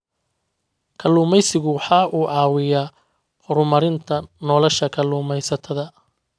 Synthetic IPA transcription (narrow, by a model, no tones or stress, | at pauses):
kʰɐlːuːmɛjsɪɣʊwɑħɑːʔuːʕɑːwɪjaː | hʊɾʊmɐɾɪnt̪ʰɐnɔːlɔʃɐkʰɐluːmɛjsɐt̪ʰɐðɐ